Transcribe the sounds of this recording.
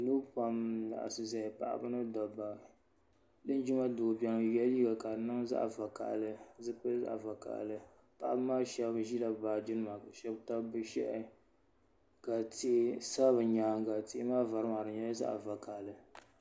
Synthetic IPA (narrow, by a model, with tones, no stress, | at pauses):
lo˦pa˦mna̰˨ʔa̰˨sɨ˨za˨ɪ˨pa̰˨ʔa̰˦bɨ˦nɨ˦dɔ˨ba˨ | dɨ˦n˦d͡ʒi˦ma˦dʊ˨bɛ˦ŋ˦jɛ˦liː˦ɡa˨ka˨nɨ˦ŋza̰˦ʔva˨ka̰˨ʔlɨ˦zɨ˦k͡pɨ˦lza̰˦ʔva˨ka̰˨ʔlɨ˦ | pa˨ʔa˦bɨ˦maː˦ʃɛ˦bʒi˦la˨baː˨d͡ʒi˦nɨ˦ma˨ka˨ʃɛ˦bta˦bɨ˦ʃɛ̰˦ʔɛ˦ | ka˨ti˦sa˦bɨ˨ɲaː˨ɡa˨ti˦ʔmaː˦va˨ɾɨ˦ma˨ɾɨ˨ɲa˦za̰˦ʔa̰˨va˨ka˨lɨ˦